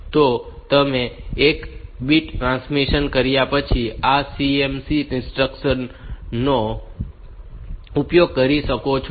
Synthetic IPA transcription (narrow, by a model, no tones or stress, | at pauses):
t̪ot̪əmeekbiʈʈɾãnsmiʃənkəɾjapət͡ʃʰiasiemsiɪ̃nsʈɾəkʃənːo | upjoɡ̚kəɾiʃəkot͡ʃʰ